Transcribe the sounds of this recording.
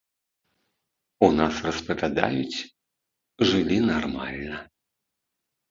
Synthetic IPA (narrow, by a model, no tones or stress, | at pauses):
unasrɐspɐvʲad̪a̰jut͡sʲ | ʐɨlʲinarma̰lʲnɐ